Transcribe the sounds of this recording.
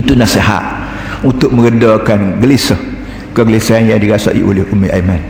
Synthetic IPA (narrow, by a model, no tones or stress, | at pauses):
it̪unaseɦa̰ʔ̪ | unt̪ʊk̚mə̃ɡədakanɡəlisəh | kəɡəlisaanjaŋdiɡasa̰ʔḭʔolɪhʔumiʔaman